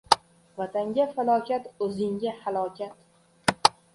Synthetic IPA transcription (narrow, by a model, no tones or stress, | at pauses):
vat̪ʰaŋɡʲafalˠɒkʲʰat̪ɵzɪŋɡʲahalˠɒkʲʰat̪